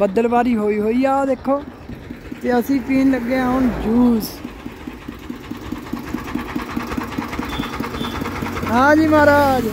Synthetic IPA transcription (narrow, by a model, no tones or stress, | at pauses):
bəd̪əlbaːɾiːɦoːiːɦoːiːaːd̪eːkʰːoː | t̪eːəsĩːpiːnləɡːeãːɦʊnd͡ʒuːz | ɦãːd͡ʒiːmaːɾaːd͡ʒ